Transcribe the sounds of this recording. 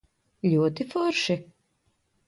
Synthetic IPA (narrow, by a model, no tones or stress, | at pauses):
ʎʲuɔt̪ifʊɾʃi